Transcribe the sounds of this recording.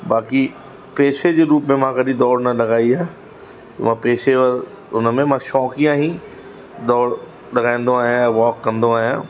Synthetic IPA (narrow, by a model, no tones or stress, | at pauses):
baːki | peːʃed͡ʒeɾuːpmẽmãːkəɾid̪ɔːɾnalɐɡaːiɦɛː | kimãpeːʃeɔɾ | ʊnmẽmãʃɔːkijãɦĩ | d̪ɔːɾ | lɐɡaːẽnd̪oaːjãʋɔːkːəɾnd̪õaːjãː